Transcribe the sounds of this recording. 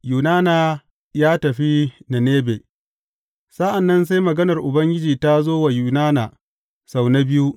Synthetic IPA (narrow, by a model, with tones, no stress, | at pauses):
juː˨naː˦naː˨ | jaː˦tɐ˨ɸi˦na˨neː˦beː˨ | sa˦ʔa˨nːɐ˦ns̬a˦jmɐ˨ɡɐ˦nɐ˨rʔʊ˨bɐ˦ŋɡʲɪ˦d͡ʒiː˨ta˦zoː˦wa˨juː˨naː˦na˨ | sa˨wna˦bɪ˦ju˦